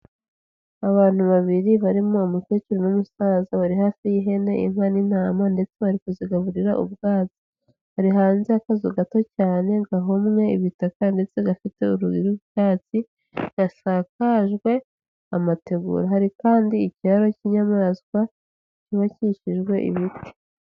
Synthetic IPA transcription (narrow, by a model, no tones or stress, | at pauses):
aβaːn̥uβaβiɾiβaɾimoːmute̞ːt͡ʃuɾonomusaːzaβaɾihafijiɦe̞ne̞ʔḭm̥hanin̥aːmande̞t͡se̞βaɾikuziɡaβuɾiɾaʔṵβɡaːzi | haɾiɦaːnzeakazoɡato̞caːne̞ɡaɦomŋe̞ḭβitakande̞t͡se̞ɡafite̞uɾuɡiɾuʃaːt͡si | ɡ̥asakaʒɡwe̞ | amate̞ɡṵɾaɦaɾikaːndiːciβaɾo̞ciɲamazkwa | niβaciʃiʒɡwe̞ʔḭβite̥